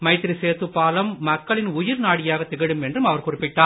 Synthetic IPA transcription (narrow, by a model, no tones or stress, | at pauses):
mɐɪt̪ːɪɾiseːɾt̪ɯpːaːlɐmːɐkːɐɭɪnʊjɪɾnaːɽɪjaːɣɐt̪ːɛɣɪɽɯmɛndrɯmɐʋɐɾkʊrɪpːɪʈːaː